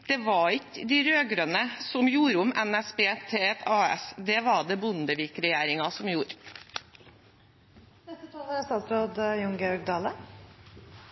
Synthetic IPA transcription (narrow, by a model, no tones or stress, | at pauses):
d̪̥ɛʋɑɾɪkəd̪iɾøːɡɾønəsɔmjuːɾʊmɛnæsbeːt̪ʰet̪ɑːɛ̰sd̪ɛʋɑɖɛbʊnd̪əʋiːkɾɛjæːɾɪŋɑsɔmjuːɾ | nɛt̪ət̪ʰɑːləɾɛst̪ɑːt̪sɾoːd̪jʊŋɡəœɾɡ̚d̪ɑːlə